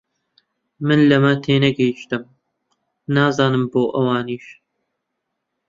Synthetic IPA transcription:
mɨnlɐmɐt̪ʰeːnɐɡɛjiʃt̪ɨm | nɑːzɑːnɨmboːʔɐwɑːniːʃ

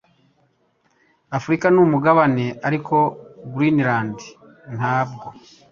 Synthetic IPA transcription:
afuɾikanumuɡaβane̞ʔaɾikʰo̞ɡuɾiniɾaːndi | n̥haːb̚ɡo

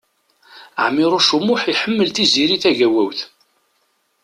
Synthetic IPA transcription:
ə̰ʕmɪɾˤoʃumːʊħiħəmːəlt̪iziɾiθæʝæwæwθ

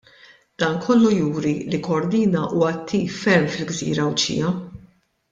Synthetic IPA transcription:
d̪̥ɐːnkʰɔlːujuːɾilikɔɔɾd̪iːnɐʔuwɐːt̪ʰːiːfːɛɾmfɪlɡzḭːɾɐwt͡ʃḭːɐ

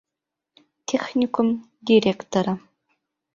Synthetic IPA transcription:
tʰexnʲikʰʷʊm | dʲirekt̪ʰoɾɐ

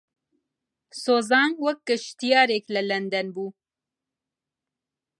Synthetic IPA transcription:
soːzɑːnwɐk̚ːɨʃt̪ijɑːɾeklɛlɛnd̪ɛnbuː

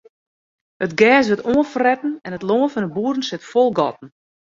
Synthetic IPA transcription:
ətɡɛːs̬ʋətoːənfərɛtn̩ɛnətloːənfɔnəbuːədn̩sɪtfolˠɡɔ̰tn̩

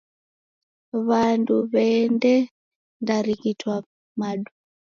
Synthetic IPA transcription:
βanduβɛndɛ | ndaɾikitwa | maɗu

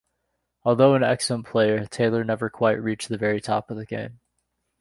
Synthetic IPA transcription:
ɔlˠðoʊə̃nɛ̰ksl̩ˠə̃npʰl̥eɪə˞tʰeɪlˠə˞nɛvə˞kʰw̥aɪʔ̚ɹit͡ʃðɨvɛɹitʰɑ̰pʌvðɨɡ̥ḛ̃ɪ̃m

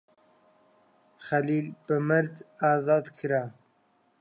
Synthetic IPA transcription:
xaliːlbɨmɨɾd̪ɑːzɑːd̪kʰɨɾa

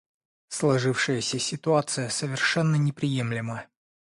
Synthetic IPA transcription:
slˠɐʐɨfʂɨjəsʲəsʲɪt̪ʊat̪sɨjəsəvʲɪrʂɛnːənʲɪpɾʲɪjemlʲɪmə

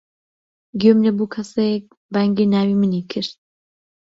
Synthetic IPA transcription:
ɡømlɛbuːkʰɐsek̚ | baŋɡenaːwimɨnikʰɨɾt̪̚

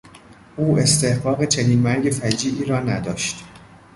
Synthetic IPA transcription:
ʔuːʔe̞st̪ʰe̞hɢɒːɣet͡ʃʰe̞niːnmæɾɟe̞fæd͡ʒiːʔiːɾɒːnæd̪ɒ̰ːʃt̪

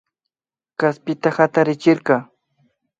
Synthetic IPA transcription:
kaspɪt̪ahat̪aɾɪt͡ʃɪɾkɑː

